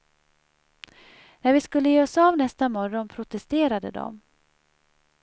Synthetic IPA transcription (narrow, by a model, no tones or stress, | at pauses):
næɾvɪskɵlːəjeːɔsavnɛst̪amɔɾɔnpʰɾʊt̪ɛst̪eːɾad̪ə̰d̪ɔ̰m